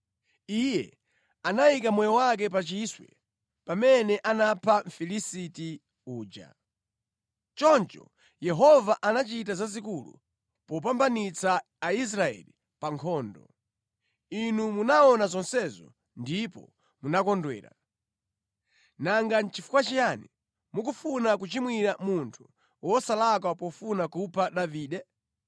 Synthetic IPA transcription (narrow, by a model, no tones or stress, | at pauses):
ijɛ | anaikamwɛjɔwak̬ɛp̬at͡ʃiswɛ̰ | pamɛnɛʔanapʰaɱ̩filisiti | uːd͡ʒa̰ | t͡ʃɔnt͡ʃɔ̰ | jɛɦɔvaʔanat͡ʃitazazikulṵ | pɔp̬ambanit͡saː | is̬ɾaɛ̰li | paŋkʰɔːndɔ̰ | inumunaɔnazɔnsɛzɔ̰ | ndipɔ̰ | munakɔndwɛ̰ːɾa̰ | naŋɡant͡ʃifu̥kwat͡ʃijanḭ | mukufunak̬ut͡ʃimwiɾamuntʰu̥ | wɔsalak̬wapɔfunakupʰaɗaviːɗɛ